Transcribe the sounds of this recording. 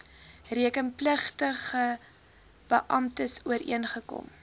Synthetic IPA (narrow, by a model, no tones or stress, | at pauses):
riəkənpləχtəχə | b̥əʔɐmtəsuəɾḭənχəkɔ̰m